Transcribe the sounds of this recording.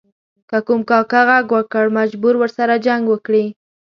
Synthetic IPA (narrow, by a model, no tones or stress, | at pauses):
kakumkɑkaɣaɡwəkəɽmad͡ʒbuɾwəɾsaɾad͡ʒaŋɡwəkɽi